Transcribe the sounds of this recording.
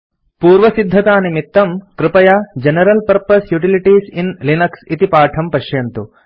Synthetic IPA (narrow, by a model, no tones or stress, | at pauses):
puːɾʋɐsid̪ʱːɐt̪aːnimit̪ːɐmkɾɪpɐjaːd͡ʒenɐɾɐlpɐɾpɐsjuʈiliʈiːsinlinɐksit̪ipaːʈʰɐmpɐʃjɐnt̪u